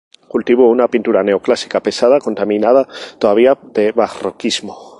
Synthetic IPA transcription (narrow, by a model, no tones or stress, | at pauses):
kult̪iβounapint̪uɾane̞oklasi̥kape̞saðako̞nt̪amĩnað̞at̪oðaβiaðe̞βarokizmo